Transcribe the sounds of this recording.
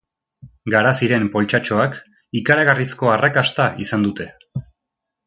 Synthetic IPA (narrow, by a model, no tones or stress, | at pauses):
ɡaɾasiɾe̞mpo̞lt͡ʃat͡ʃo̞ak | ikaɾaɣarisko̞arakast̪aʔisand̪ut̪e̞